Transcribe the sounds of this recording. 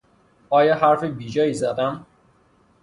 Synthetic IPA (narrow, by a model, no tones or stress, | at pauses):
ɒːjɒːhæɾfebiːd͡ʒɒːjiːzæd̪æm